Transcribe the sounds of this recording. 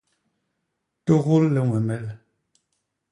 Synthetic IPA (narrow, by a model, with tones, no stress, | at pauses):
to˦˨ɣu˦lːɛ˨ŋwɛ˨mɛ˦l